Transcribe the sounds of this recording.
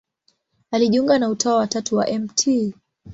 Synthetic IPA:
aliʄiuŋɡanautʰaawatatuwa̰ʔɛmtʰi

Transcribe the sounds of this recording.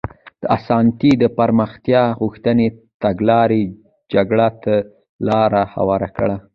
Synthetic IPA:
d̪̥əasɑnt̪id̪əpaɾməxt̪jɑɣuxt̪ənet̪aɡlɑɾe | d͡ʒaɡɽat̪ə | lɑɾaha̰wɑɾakɽa

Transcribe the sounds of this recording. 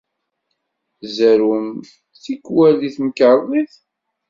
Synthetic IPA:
zæɾum | θikːwæliθməkəɾˤðˤiθ

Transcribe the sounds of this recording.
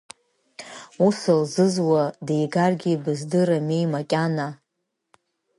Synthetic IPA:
usalzɨzwadejɡarɡʲibɨzdɨɾame̞jmakʲʼana

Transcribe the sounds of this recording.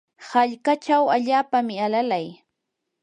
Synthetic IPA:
haʎkat͡ʃawaʎaːpamɪalalaj

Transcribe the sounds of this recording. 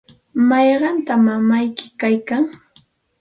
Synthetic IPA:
mɑjɢɑnt̪amamajkɪ̥kajkaŋ

